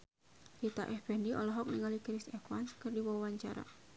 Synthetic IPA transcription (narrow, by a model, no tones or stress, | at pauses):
jit̪a̰ʔɛhb̥ɛndiʔɔlɔɦɔk̚niŋalikɾisɛkwanskərdiwɔwaɲt͡ʃaɾa̰